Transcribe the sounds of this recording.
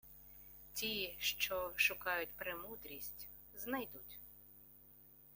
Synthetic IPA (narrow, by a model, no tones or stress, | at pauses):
tʲiʃt͡ʃɔʃʊkɑjʊtʲpɾemud̪ɾʲisʲtʲ | znɐjd̪utʲ